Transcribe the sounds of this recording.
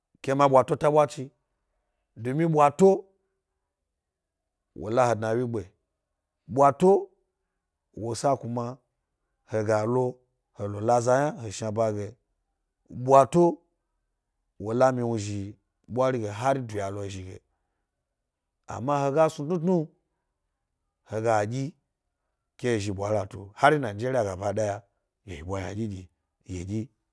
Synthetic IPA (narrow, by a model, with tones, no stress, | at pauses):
kʲe˧˦ma˧ɓʷa˨to˦ta˦ɓʷa˦t͡ʃi˧ | do˨mĩ˦ɓʷwa˧to˦ | wʔo̰˨la˦ho˨dna˨wʲi˦ɡ͡be˨ | ɓʷa˧to˦ | wo˨sa˦ku˧ma˧ | he˨ɡa˨lo˦ | ho˨lo˨la˦za˧ja˦ho˨ʃa˧ba˧ɡe˨ | ɓʷa˧to˦ | wo˨la˦mi˧wu˧ʒi˨ | ɓʷa˦ɾi˦ɡe˨ɦa˦ɾi˦du˨ja˨lo˧˨ʒi˨ɡḛ˨ | a̰˨ma˦ho˧ɡa˦su˧tnu˦tnu˦ | ho˨ɡa˨ɡʲi˦ | kʲe˦e˨ʒi˧ɓʷa˨la˨to̰˨ha˦ɾi˦na˨n˦d͡ʒe˦ɾi˦a˨ɡa˨ba˨da˦ja˧ | je˨hi˨bʷa˨ja̰˨d͡ʒʲi˦d͡ʒʲi˨ | jḛ˨d͡ʒʲi˦